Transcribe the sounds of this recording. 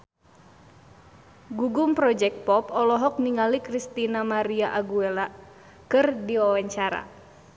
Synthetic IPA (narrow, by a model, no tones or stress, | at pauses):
ɡuɡumpɾɔd͡ʒɛk̚t̪̚pɔpɔlɔɦɔk̚niŋalikɾist̪inamaɾiaʔaɡuela | kɨrdiwawaɲt͡ʃaɾa̰